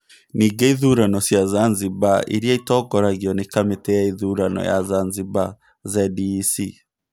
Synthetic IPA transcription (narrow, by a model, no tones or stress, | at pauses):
niːɡeiðuːɾanɔsjazanziβaḭɾiaitɔːɡɔɾaɣiɔnekametɛaiðuːɾanɔ̰ja̰zanziβa | zɛdisi